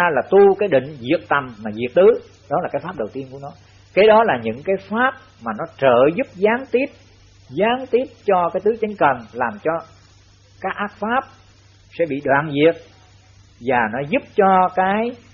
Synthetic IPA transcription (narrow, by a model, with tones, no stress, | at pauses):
laː˨˩t̪u˧kaː˨˦jɗḭ̈˧˨ŋ̟zi˨˩ək̚t̪a˨˩mːaː˨˩zi˨˩ək̚t̪ɨ˨˦ | ɗɔ˨˦laː˨˩kaː˨˦jfaː˦˥p̚ɗə˨˩wt̪i˧ənku˧˩ənɔ˨˦ | kɛ˨˦ɗɔ˨˦laː˨˩ɲɨ̰˧˥ŋkaː˨˦jfaː˦˥p̚ | maː˨˩nɔ˨˦t͡ɕəː˧˨˩zʊ˦˥p̚zaː˨˦ŋt̪i˦˥əp̚ | zaː˨˦ŋt̪i˦˥əp̚t͡ɕɔ˧kaː˨˦jt̪ɨ˨˦t͡ɕə˨˦jŋ̟kə˨˩ŋlaː˨˩mt͡ɕɔ˧ | kaː˦˥k̚ʔaː˦˥k̚faː˦˥p̚ | sɛ̰˧˥ɓḭ˧˨ɗwaː˧˨nzi˨˩ət̚ | vaː˨˩nɔ˨˦zu˦˥p̚t͡ɕɔ˧kaː˨˦j